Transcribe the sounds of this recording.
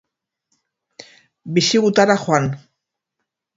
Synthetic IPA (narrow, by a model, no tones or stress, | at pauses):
bɪʃɪɣʊt̪aɾaxwan